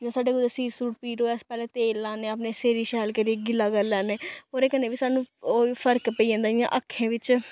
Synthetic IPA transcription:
d͡ʒãːsaːɖeːɡʊd̪eːsiːɾsuːʈ̚piːɾoːɛspɛːleːt̪eːlːãːnẽːəːp̬neːseːɾiːʃɛːlkəɾieɡɪlːaːɡəlːɛːneːoːɾeːkəneːʋiːsaːnũːpʰəɾkpəiːãːnd̪aːd͡ʒɪjã̰ːʔəkʰːẽːʋɪt͡ʃ

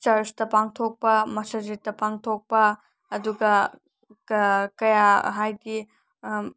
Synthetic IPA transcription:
t͡ʃɐɾstɐpaŋtʰok̚pɐmɐsad͡ʒitɐpaŋtʰok̚pɐː | duɡɐ | kɐjaɦajdi

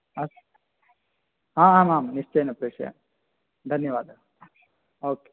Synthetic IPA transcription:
ɐs | ɦaːaːmaːmniʂt͡ʃejnɐpɾeːʂɐ̰a̰ | d̪ʱɐnjɐʋaːd̪ʱɐ | oːke

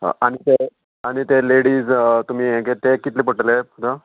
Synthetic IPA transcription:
ɦa̰ʔaɽ̃it̪e | aɽ̃it̪eleɽiːd͡zt̪um̤iːẽket̪ekit̪leːpəʈleud̪ə

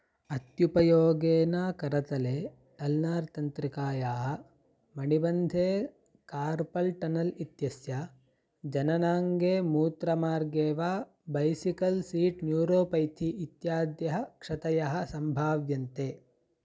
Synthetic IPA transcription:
ɐt̪jupɐjoːɡeːnaːkɐɾɐt̪ɐleː | t̪ɐlnaːɾt̪ɐnt̪ɾikaːjaːɦɐ̆ | mɐɳibɐnd̪ʱeː | kaːɾpɐlʈɐnɐlit̪jɐsja | d͡ʒɐnɐnaːŋɡeːmuːt̪ɾɐmaːɾɡeːʋaː | bɐjsikɐlsiːʈnjuːɾoːpɐjt̪ʰiːt̪jaːd̪jɐɦɐkʂɐt̪ɐjɐɦɐ̆sɐmbʱaːʋjɐnt̪eː

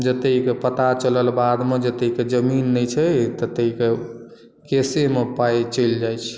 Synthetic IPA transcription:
d͡ʒət̪ekepət̪at͡ʃələlbad̪med͡ʒət̪eiked͡ʒəminːəjt͡ʃʰət̪ət̪eke | kesemepajt͡ʃəld͡ʒajt͡ʃʰ

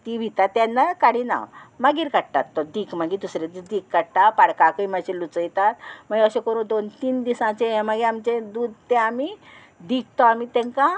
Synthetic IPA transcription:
t̪iʋʱit̪at̪ːjanːakaɽina̰ʋmaɡiːɾkaɽʈa̰t̪ːɔd̪iːkmaɡit̪usɾed̪d̪ikkaɽʈ̪apaɽkakəiməɕẽlut͡səjt̪at̪məɡeəɕekəɾũːnd̪ont̪iːnd̪isãt͡ɕẽẽməɡeamt͡ɕẽd̪uːd̪t̪ɛ̃ami | d̪ik̚ʰt̪ɔamit̪ɛ̃ŋkã

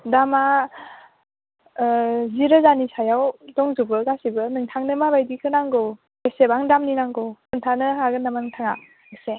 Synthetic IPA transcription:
dama | ziɾɯzanisajawdɔŋzubɯɡasibɯnɯŋtʰaŋnɯmabajdikʰɯnaŋɡɯw | esebaŋdamninaŋɡɯwnɯŋtʰanɯɦaɡɯnamanɯŋtʰaŋa | ɯse

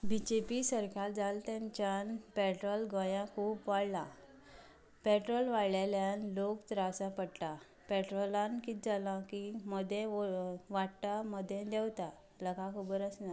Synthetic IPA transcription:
bid͡ʑepisəɾkʰaɾd͡zalt̪jãɲt͡ɕjanpɛʈɾɔlɡə̃jãkʰuːpʋaɽla̰ | peʈɾɔlʋaɽɭaljanlokt̪ɾasapəɽt̪a | peʈɾolankit̪̚d͡zalãkiməd̪ʱjẽʋaʈt̪aməd̪ʱːjẽd̪ɛwt̪a | ləkʰakʰubəɾəsna

